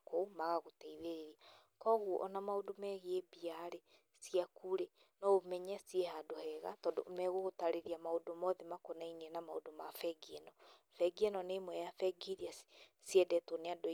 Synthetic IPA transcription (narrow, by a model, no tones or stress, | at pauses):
komaɣaɣotaiðeɾeɾiakɔɣwɔʔɔnamaodomɛɣeebiaɾe | siakuɾe | nɔomɛɲɛsiehadohɛɣa̰tɔːndo̰mɛɣoɣotaɾeɾiamaodomɔðɛmakɔnainenamao̰domafɛɡienɔ | fɛɡiɛnɔnemwɛjafɛɡiɾias | siɛdɛtoneado